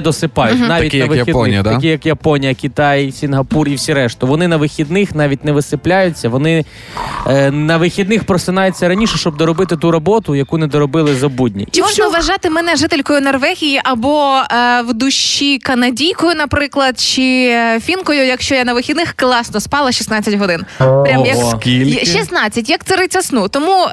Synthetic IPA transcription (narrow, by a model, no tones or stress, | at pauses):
d̪ɔsɪpɑjʊt̪nɑʋʲitknɐʋɪid̪ɐkʲijɐkjɐpɔnʲijɐkʲit̪ɑjsʲinɦɐpuriwsʲiɾɛʃt̪ʊʋɔnɪnɐʋɪxʲid̪nɪxnɑʋʲit̚ʲnɛʋɪsɪplʲajʊt͡sʲːɐʋɔnɪ | nɐʋɪxʲid̪nɪxpɾɔsɪnɑjʊt͡sʲːɐɾɐnʲiʃɛʃt͡ʃɔb̚d̪ɔɾɔbɪt̪ɪt̪uɾɔbɔt̪ʊjɐkunɛd̪ɔɾɔbɪlˠɪzɐbudʲnʲḭt͡ʃimɔʒnɔʋɐʒɑt̪ɪmɛnɛʐɪt̪elʲkɔjʊnɔrʋɛɣʲijiʔɐbɔwd̪ʊʃikɐnɐdʲijkɔjʊnɐpɾɪklˠɐd̪̚t͡ʃɪfʲinkɔjʊjɐkʃt͡ʃɔjanɐʋɪxʲid̪nɪxklˠɑsnɔspɑlˠɐʃisnɑt͡sʲːɐtʲɦɔd̪ɪnpɾʲajɐkkʲilʲʃisnɑt͡sʲːɐtʲjɐk̚t̪sɛɾɪt͡sʲɐsnut̪ɔmu